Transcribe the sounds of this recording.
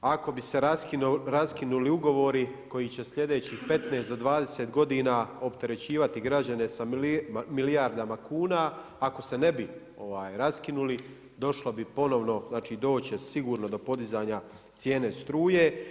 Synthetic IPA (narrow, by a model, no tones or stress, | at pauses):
ako̞bise̞ɾaskiɾaskinuliuɡo̞ʋo̞ɾiko̞jiːt͡ɕe̞slʲʎe̞d̪e̞ːt͡ɕiːxpe̞t̪ne̞ːsd̪o̞d̪ʋaːd̪e̞seːt̪ɡo̞d̪iːnaːo̞pt̪eɾe̞t͡ɕiːʋat̪iɡɾad͡ʑane̞samiliaɾd̪amakʰuːnaː | ko̞se̞ne̞bi | o̞ʋaːjɾaskinuli | d̪o̞ʃlˠobipo̞no̞ʋno̞znaːt͡ʃiːd̪o̞ːt͡ɕesiɡuːɾno̞d̪o̞po̞d̪izaːɲa | t̪sje̞ːne̞st̪ɾuːje̞